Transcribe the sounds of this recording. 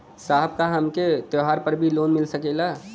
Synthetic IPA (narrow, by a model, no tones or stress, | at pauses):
saːɦb̚kaɦɐmket̪joɦaːɾpəɾbʱiloːnmɪlsəkeːla